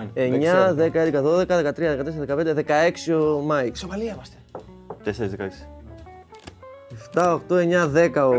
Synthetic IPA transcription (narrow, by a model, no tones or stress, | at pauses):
eɲɐðekɐed̪ekɐðoðekɐðekɐt̪ɾiɐðe̞kɐt̪es̬eɐðekɐpe̞nd̪eðe̞kɐeksiomɐjsovɐliimɐst̪e̥ | t̪eseɾizðekɐeksi̥ | eft̪ɐoɐxt̪oe̞ɲɐðe̞kɐo